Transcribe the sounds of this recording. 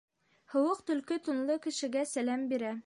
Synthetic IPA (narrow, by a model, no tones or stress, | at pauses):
hɤ̆wɤqt̪ɵ̆lkɘt̪ŏnlˠɤkɘ̆ʃɘ̆ɡæsælæmbiɾæ